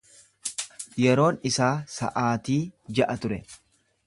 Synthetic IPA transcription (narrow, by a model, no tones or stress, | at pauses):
jɛɾo̞ːnɪsaːsɐ̰ʔaːt̪iːd͡ʒɐʔɐt̪ʊɾɛ